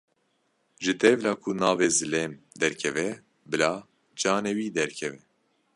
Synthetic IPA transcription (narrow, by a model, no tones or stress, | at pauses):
ʒɨt̪ɛvlɑːkʰunaːveːzɨleːmd̪ɛɾkʰɛvɛ | bɨlaː | d͡ʒɑːnewiːd̪ɛɾkʰɛvɛ